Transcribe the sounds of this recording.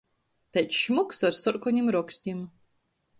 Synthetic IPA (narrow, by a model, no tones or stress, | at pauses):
t̪ɛtʃmuksaɾsɔɾkɔɲʲimɾɔksʲt̪ʲim